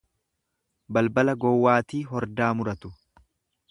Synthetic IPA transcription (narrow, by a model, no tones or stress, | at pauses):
bɐlbɐlɐɡɔwːaːt̪iːɦɔɾd̪aːmʊɾɐt̪ʊ̥